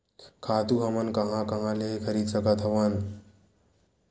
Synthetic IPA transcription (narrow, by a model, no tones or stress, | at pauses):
kʰaːt̪uɦɐmənkɐɦãkɐɦãlekʰəɾiːd̪səkət̪ʰɦɐʋən